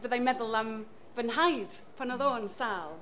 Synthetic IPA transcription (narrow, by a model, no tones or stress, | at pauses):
bəðajmɛðʊlˠam | vənɦajd̥ | pʰanɔðoːnsaːlˠ